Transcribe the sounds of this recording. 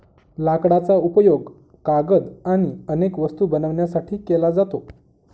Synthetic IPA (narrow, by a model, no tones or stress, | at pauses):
lakɽat͡saupəjoɡ | kaɡəd̪aɽ̃iənekʋəst̪ubənəʋɳjasaʈʰiːkelad͡zat̪o